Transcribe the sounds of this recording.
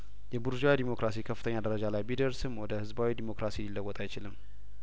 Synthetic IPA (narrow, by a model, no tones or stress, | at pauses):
jɛbuɾud͡ʒawid̪imo̞kɾʔas̬ikʰəfɨt̪ʰəɲːad̪əɾəd͡ʒalajbid̪əɾsɨmwɔd̪əhɨzbawid̪imo̞kɾasililːəwːɔt̪ʼajt͡ʃɪlɨmː